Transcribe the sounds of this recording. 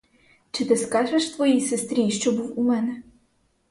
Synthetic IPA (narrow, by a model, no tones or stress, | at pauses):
t͡ʃɪt̪ɪskɑʒeʃt̪ʋɔjisɪst̪ɾʲiʃt͡ʃɔbuwumɛnɛ